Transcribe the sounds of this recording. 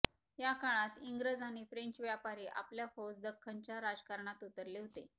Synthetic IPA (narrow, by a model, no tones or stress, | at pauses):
jakaɭ̃at̪iŋɡɾəd͡zaɽ̃ifɾeɲt͡ɕʋjapaɾiːʔa̰pljafosd̪əkʰːaɲt͡ɕjaɾad͡zkaɾɳat̪ut̪əɾleɦot̪e